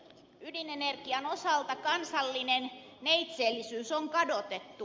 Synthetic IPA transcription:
ydinenerɡiɑnosɑlt̪ɑkɑnsɑlːinen | neit̪seːlːisyːsoŋkɑdot̪et̪ːu

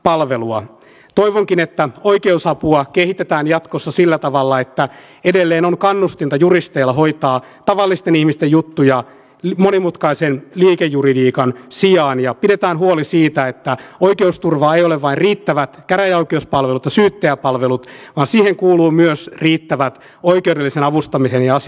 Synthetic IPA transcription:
pɑlʋeluɑ | t̪oiʋoŋkinet̪ːæoikeusɑpuɑkehit̪et̪æːnjɑt̪kosːɑsilːæt̪ɑʋɑlːɑet̪ːæ | edelːeːnoŋkɑnːust̪int̪ɑjurist̪eːlːɑɦoit̪ɑː | t̪ɑʋɑlːist̪enihmist̪ejjut̪ːujɑ | monimut̪kɑisenliːkejːuridiːkɑnsijɑːnjɑpidet̪æːnɦuolisiːt̪æet̪ːæoikeust̪urʋɑːeijoleʋʋɑinriːt̪ːæʋæt̪kæɾæjæoikeuspɑlʋelut̪jɑsyːt̪ːeæpɑlʋelut̪ʋɑːnsiːheŋkuːluːmyøsriːt̪ːæʋæt̪ | oikeudelːisenɑʋust̪ɑmisenjɑɑs

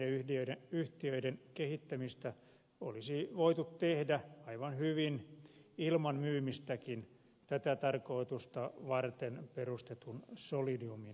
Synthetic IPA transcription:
eyhdiøieyht̪iøidenkehit̪ːæmist̪æ | o̰lisiʋoit̪ut̪t̪ehdæɑiʋɑnhyʋinilmɑnmyːmist̪ækin | t̪æt̪æt̪ɑrkoit̪ust̪ɑʋɑrt̪enperust̪et̪unsolidiumi

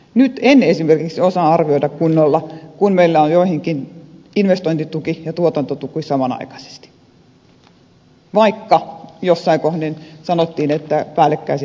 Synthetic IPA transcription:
nyt̪enːesimerkiksiosɑɑrʋioidɑkkunːolːɑkunmeilːæonjoˑihiŋkin | inʋest̪oint̪it̪ukijɑt̪uot̪ɑnt̪ot̪ukisɑmɑnɑ̰ikɑ̥se̥st̪i̥ | ʋɑikːɑjosːɑiŋkohnensɑnot̪ːiːnet̪ːæpæːlːekːæis

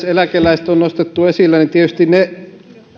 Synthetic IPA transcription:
selækelˑæist̪onnost̪et̪ːuesilːænit̪iet̪yst̪inne

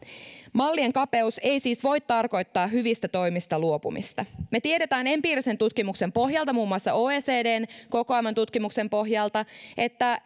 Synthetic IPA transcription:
mɑlːieŋkɑpe̞use̞jsiːsʋo̞jt̪t̪ːɑrko̞jt̪ːɑːɦyʋist̪æt̪o̞jmist̪ɑluo̞pṵmḭst̪ɑme̞t̪ieɾe̞t̪æːne̞mpiːɾise̞nt̪ut̪kimukse̞mpo̞ɦjɑlt̪ɑmuːmuɑsːɑoːeːseːde̞ːnko̞koɑjmɑnt̪ut̪kimukse̞mpo̞ɦjɑlt̪ɑʔe̞t̪ːæ

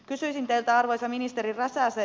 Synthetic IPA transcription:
kysyisint̪eilt̪æɑrʋojsɑminist̪erirɑsɑːse

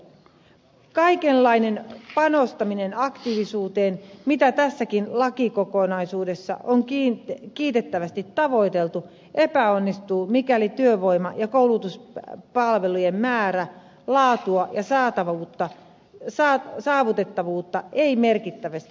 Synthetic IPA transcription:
kɑikelːɑine̞npɑnost̪ɑminenɑkt̪iʋisuːt̪e̞ːnmit̪æt̪æsːækinlɑkikokonɑisuːde̞sːɑ̰ʔoŋkːkiːt̪e̞t̪ːæʋæst̪it̪ːɑʋo̞it̪e̞lt̪u | ʔepæo̞nːist̪uːmikælit̪yøʋo̞imɑjɑkowlut̪uspɑlʋe̞lujemmæːɾæ | lɑːt̪uɑjɑsɑːt̪ɑʋuːt̪ːɑ | sɑsɑːʋut̪e̞t̪ːɑʋuːt̪ːɑeime̞rkit̪ːæʋæst̪i

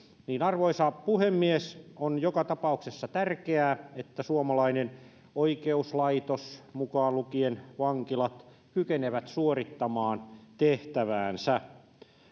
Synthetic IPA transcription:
niːnɑrʋoisɑpuhemːiesonjokɑt̪ɑpɑuksesːɑt̪ærkeæːet̪ːæsuomɑlɑinen | oikeuslɑit̪osmukɑːlukienʋɑŋkilɑt̪ | kykeneʋæt̪suorit̪ːɑmɑːnt̪eht̪æʋæːnsæ

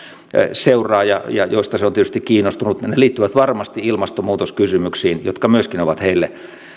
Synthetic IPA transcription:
seurˑɑːjɑ̰jɑ̰joist̪ɑseont̪iet̪yst̪ikkiːnost̪unut̪neliːt̪ːyʋæt̪ʋɑrmɑst̪iilmɑst̪omuːt̪oskysymyksiːnjo̰t̪kɑmyøskinoʋɑt̪heilːe

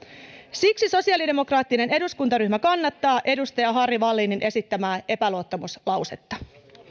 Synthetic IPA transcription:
siksiso̞siɑlide̞mo̞krɑːt̪ːine̞ne̞duskunt̪ɑɾyçmækɑnːɑt̪ːɑːʔe̞dust̪ɑjɑɦɑriʋɑlːininʔe̞sit̪ːæmæːʔe̞pæluot̪ːomuslɑwset̪ːɑ

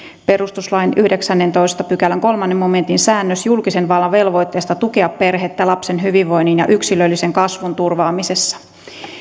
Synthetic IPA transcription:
pe̞ɾust̪uslɑjnyhdeksænːe̞nt̪o̞jst̪ɑpykælæŋko̞lmɑnːemːo̞me̞nt̪insæːnːøsjulkise̞nʋɑlːɑʋe̞lʋo̞jt̪ːe̞ːst̪ɑt̪ukeɑpːe̞rɦet̪ːælɑpse̞nɦyʋiʋʋo̞jnːinjɑ̰ʔyksilølːise̞ŋkɑsʋunt̪urʋɑːmise̞sːɑ̥

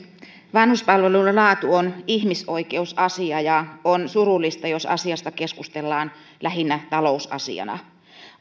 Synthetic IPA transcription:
ʋɑnhuspɑlʋelullɑːt̪uonihmiso̞ike̞usɑsiɑjɑonsuɾulːist̪ɑjo̞sɑ̰siɑst̪ɑke̞skust̪elːɑːn | læɦinːæt̪ɑlo̞usɑ̰sḭɑ̰nɑ̰

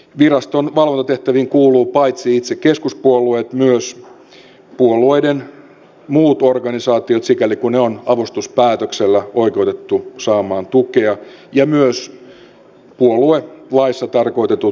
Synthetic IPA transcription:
ʋirɑst̪onʋɑlʋont̪ɑt̪eht̪æʋiŋkuːluːpɑjt̪siit̪sekeskuspuoluet̪myøs | puolueiden | muːt̪orɡɑnisɑːt̪iot̪sikælikuneonɑʋust̪uspæːt̪økselːæoikeut̪et̪ːusɑːmɑːnt̪ukeɑjɑmyøs | puolˑuelɑisːɑt̪ɑrko̞it̪et̪u

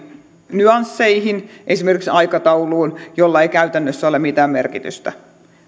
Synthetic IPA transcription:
nyɑnsːeihinʔesimerkiksɑikɑt̪ɑuluːnjolːɑeikæyt̪ænːøsːæolemit̪æːmmerkit̪y̰st̪æ

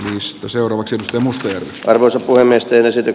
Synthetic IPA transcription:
nist̪æseurɑːʋɑksiet̪yst̪eɑmust̪ɑjærʋisʔɑrʋoisɑppuhemːiest̪eːnesit̪y

